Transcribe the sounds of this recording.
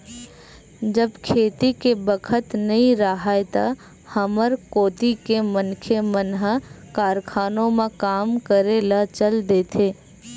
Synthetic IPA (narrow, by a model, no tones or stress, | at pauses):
d͡ʒəbkʰeːt̪ikebəkʰət̪nɐɦĩɾaɦaet̪a̰ | həməɾkoːt̪ikemənkʰemənɦakaːɾkʰaːnõmẽkaːmkəɾeːlat͡ʃəld̪eːt̪ʰeː